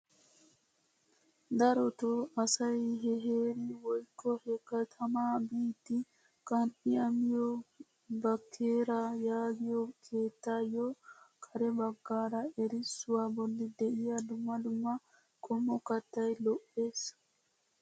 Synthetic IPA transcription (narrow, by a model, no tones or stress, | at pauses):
d̪ɐɾɔt̪ɔasajɦɛɦeːɾiwɔjkːɔhɛkːat̪ʰɐmaːbiːt̪i | kɐniamijɔ | bakʰːeːɾajaːɡijɔkʰeːt̪ːajɔkʰɐɾɛbaɡːaːɾaeɾisːuwabɔlːid̪ɛʔijadumːadumːa | kʼɔmːɔkat̪ːajlɔʔːes